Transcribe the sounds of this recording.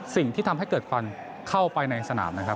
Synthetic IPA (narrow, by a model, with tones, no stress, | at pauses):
si˨˩ŋt̪ʰiː˥˩t̪ʰa˧mɦa˥˩jkɤː˨˩t̪̚kʰa˧n | kʰa˥˩wpa˧jna˧jsa˧na̰ː˩˦mna˦˥kʰɾa˦˥p̚